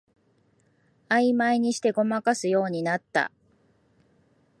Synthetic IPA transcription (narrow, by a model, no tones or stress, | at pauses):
aimaiɲ̟iɕi̥t̪e̞ɡo̞makasɨjo̞ːɲ̟inat̪ːa̰